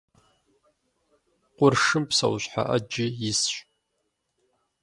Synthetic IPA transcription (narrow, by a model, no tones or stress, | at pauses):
qʷʼʊrʂɨmpsɐ̰wɕʷħa̰ʔɐd͡ʒɪjɪsɕʼ